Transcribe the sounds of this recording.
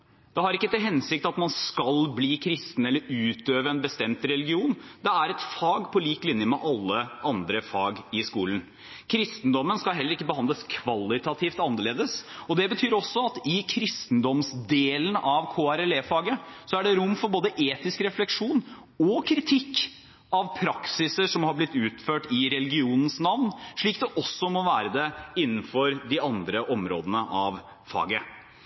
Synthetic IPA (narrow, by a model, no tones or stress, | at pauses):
d̪̥ɛhɑɾɪkːət̪ɪlɦɛnsɪk̚t̪ɑt̪mɑnskɑlbliːkʰɾɪst̪n̩ɛlːəɾʉːt̪øːʋəɛnbəst̪ɛmt̪ɾɛlɪɡɪuːnd̪ɛæɾɛt̪fɑːɡpʰɔliːklɪnjəmɛʔɑlːəʔɑnd̪ɾəfɑːɡɪskuːlən | kʰɾɪst̪n̩d̪ɔmːənskɑlɦɛlːəɾɪkːəbəhɑnd̪ləskʰʋɑlːɪt̪ɑt̪ʰiːft̪ɑnːəɭeːd̪əsɔd̪ɛbət̪ʰyːɾɔsːɔɑt̪ɪkʰɾɪst̪n̩d̪ɔmsd̪eːlənʔɑʋkʰoːæɾɛleːfɑːɡəsɔæɖɛɾʊmːfɔɾboːd̪əʔeːt̪ɪskɾɛflɛkʂuːn | ɔkʰɾɪt̪ʰɪkː | ɑʋpʰɾɑksɪsəʂɔmhɑɾblɪt̪ːʉːt̪føːʈɪɾɛlɪɡɪuːnən̩snɑʋnʂɭiːkd̪ɛʔɔsːɔmɔʋæːɾəd̪ɛɪnːn̩fɔɾd̪ɪɑnd̪ɾəʔɔmɾo̰ːd̪ənəʔɑʋ | fɑ̰ːɡə